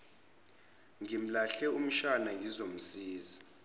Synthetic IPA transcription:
ŋim̩laɬɛum̩ʃanaŋɡʱizom̩siːzi

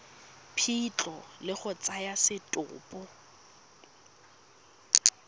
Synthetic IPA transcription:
pʰit͡ɬʼɔlɪχʊt͡sʼajasɪtʼʊ̰ːpʼʊ

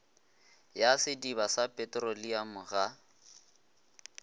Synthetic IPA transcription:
jasɪdibasapʼɛtʼrɔliamʊɣa

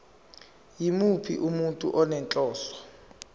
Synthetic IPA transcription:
jimupʰḭʔumuntʼṵʔɔnɛnt͡ɬʼɔːsɔ̥

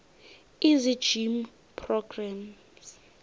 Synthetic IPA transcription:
izi̥d͡ʒim | pʰrɔɡram | z

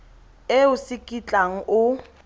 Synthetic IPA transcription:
ɪʊsɪkʼit͡ɬʼaŋ̩ʔʊ

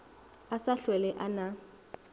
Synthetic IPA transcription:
asaɬwɛlɛʔana

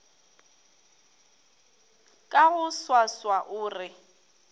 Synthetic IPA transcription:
kʼaɣʊswaswaʔʊːrɪ

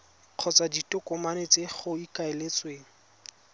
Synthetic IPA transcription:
q͡χʰɔt͡saditʼʊkʼɔmanet͡seχʊikaelet͡sʼweːŋ̩

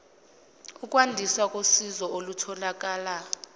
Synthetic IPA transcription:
uk̬ʼwandʱiswakʼosizɔʔolutʰɔlak̬ʼaːla

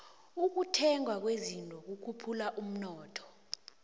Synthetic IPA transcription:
uk̬utʰɛŋwak̬wezintʼɔk̬ukʰupʰulaʔum̩nɔːtʰɔ̥

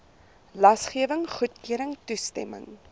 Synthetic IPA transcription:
lɐsχiəvəŋχutkiəɾəŋtustɛ̰mə̰ŋ

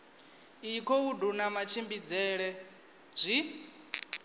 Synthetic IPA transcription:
ikʰɔudunamat͡ʃʰimbid͡zɛɺɛ | b͡ʐʷi

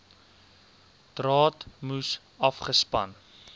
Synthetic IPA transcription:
d̥rɑːtmus | ɐfχəspɐ̰n

